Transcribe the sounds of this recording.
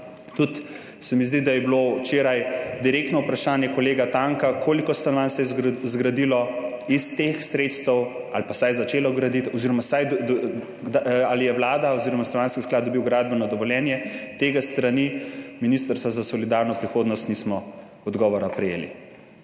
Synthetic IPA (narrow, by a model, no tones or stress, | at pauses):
t̪ut̪ | sɛmizd̪id̪ajɛblot͡ʃeːɾajd̪iɾeːk̚t̪nɔupɾaʃaːnjɛkɔleːɡat̪aːŋkakʰoːlikɔst̪anʋansɛjɛzɡɾad̪ilɔ | ist̪exsɾet̪st̪əw | a̰lpasajzat͡ʃeːlɔɡɾad̪it̪ɔziɾɔmasajd̪ | d̪alijɛʋlaːd̪aɔziɾɔmaslɔʋjaːnskisklad̪̚d̪ɔbiwɡɾaːd̪bɛnɔd̪ɔʋɔljɛːnjɛt̪eːɡast̪ɾaniminist̪əɾst̪azasɔlid̪aɾnɔpɾixoːd̪nɔst̪nismɔ | ɔd̪ɡɔːʋɔɾapɾɛjḛːlḭ